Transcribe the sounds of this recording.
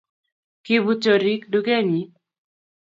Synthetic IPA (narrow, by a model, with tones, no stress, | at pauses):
ki˨bu˨t͡ʃo˨ɾi˦kdu˦ɡe˦ɲi˨˦